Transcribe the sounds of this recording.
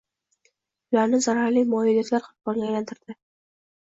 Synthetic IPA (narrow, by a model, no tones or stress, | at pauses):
ʊlaɾnɪzaɾaɾlimɒjɪljat̪laɾqʰʊ̥bɒɾɡʲajlant̪ʰɪɾd̪ɪ